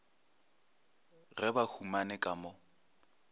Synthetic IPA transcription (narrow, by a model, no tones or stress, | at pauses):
ɣɛbahumanɪkʼamɔ